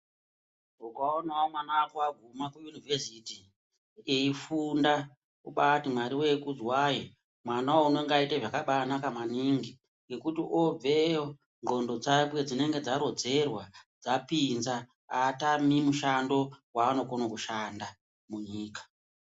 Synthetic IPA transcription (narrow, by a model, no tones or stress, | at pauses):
ukaonawomwanawakuaɡʱumakujunivesiti | eifunda | uɓatimwaɾiwe̞kud͡zwajo | mwanawouno̞ŋɡaitaʐakaɓanakamaniŋɡi | ŋɡe̞kutiʔob͡veo | ŋɡo̞ndo̞d͡zakwe̞d͡zine̞ŋɡe̞d͡zaɾo̞d͡ze̞rwad͡zapinza | atamimuʃando̞waːno̞konokuʃanda | muɲiːkḁ